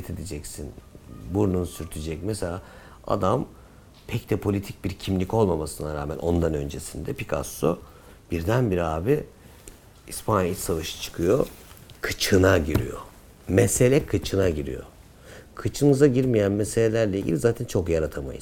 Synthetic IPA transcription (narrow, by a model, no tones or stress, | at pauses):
t̪ʰed̪ed͡ʒɛcsinbuɾnunsyɾt̪ʰyd͡ʒɛc̚mɛselʲaː | a̰d̪am | pʰɛct̪ʰɛpʰo̞lʲit̪ʰic̚biɾcʰimlʲicolˠmamasɯnaɾaːmænʔo̞nd̪anø̞̰nd͡ʒe̞sind̪ɛpikʰa̰sːo̰ | b̥iɾd̪ænbiɾaːbi | ispʰanjilsavaʃɯ̥t͡ʃʰɯ̥kʰɯjo̰kʰɯt͡ʃʰɯnaɟiɾḭjo̞̰ | mɛse̞lʲɛkʰɯt͡ʃʰɯnaɟiɾḭjo̞̰ | kʰɯt͡ʃʰɯnɯzaɟiɾmijænmese̞lʲelʲæɾlʲɛiɟʲḭlʲizaːt̪ʰɛnt͡ʃʰo̞kjaɾat̪ʰama̰jɯ̰z̥